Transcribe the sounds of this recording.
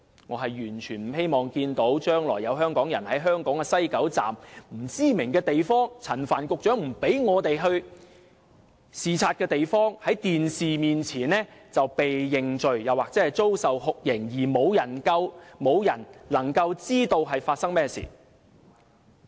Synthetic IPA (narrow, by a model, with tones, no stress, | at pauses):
ŋɔ̰ː˨˧ɦɐ˨jːyː˨˩nt͡ʃʰyː˨˩nm̩˨˩he˥jmɔː˨ŋkiː˧nt̪o˨˥wt͡ʃœː˥ŋlɔː˨˩jːɐ˨˧wɦœː˥ŋkɔː˨˥ŋjɐ˨˩nhɐ˨˥jɦœː˥ŋkɔː˨˥ŋkɛ˧sɐ˥jkɐ˨˥wt͡sa̰ː˨mm̩˨˩t͡siː˥mɪ˨˩ŋkɛː˧t̪e˨jfɔː˥ŋt͡sʰɐ˨˩nfaː˨˩nkʊ˨k̚t͡ʃœː˨˥ŋm̩˨˩pe˨˥jŋɔː˨˧t̪e˨jɦɵ˧ɥ | siː˨t͡sʰaː˧t̚kɛː˧t̪e˨jfɔː˥ŋhɐ˨˥jt̪iː˨nsiː˨miː˨nt͡sʰiː˨˩nnɛː˥t͡sɐ˨wpe˨jːɪ˨ŋt͡ʃɵ˨ɥjɐ˨waː˨k̚t͡sɛː˨˥hɐ˨jt͡so˥wsɐ˨whʊ˨k̚jɪ˨˩ŋjiː˨˩mo˨˧wjɐ˨˩nkɐ˧wmo˨˧wjɐ˨˩nlɐ˨˩ŋkɐ˧wt͡siː˥t̪o˧wɦɐ˨jfaː˧t̚sɐ˥ŋmɛː˥sḭː˨˩